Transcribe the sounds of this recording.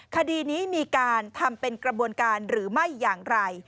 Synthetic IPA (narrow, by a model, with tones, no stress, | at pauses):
kʰa˧diː˧niː˦˥miː˧kaː˧nt̪ʰa˧mpe˧nkɾa˧bu˧ənkaː˧nɾɯː˩˦ma˥˩jːaː˨˩ŋɾa˧j